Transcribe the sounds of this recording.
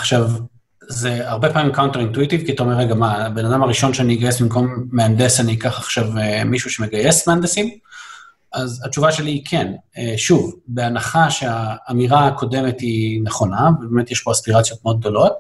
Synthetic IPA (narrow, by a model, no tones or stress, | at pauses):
aχʃav | zeaʁbe̞paːmimkawnt̪eʁintuit̪ivkiat̪aomeʁeɡamabe̞nadamaʁiʃo̞nʃeaniːɡajesbimko̞mːeand̪esanikaχaχʃavemiʃuʃe̞me̞ɡaje̞smeand̪esim | ʔazatt͡ʃuvaʃelikʰeneʃuvbeanaχaʃeaːmiʁaːko̞de̞methineχo̞navebeme̞t̪jeʃpoaspiʁat͡sjo̞t̪̚meo̞d̪̚ɡ̚d̪o̞lo̞t̪̚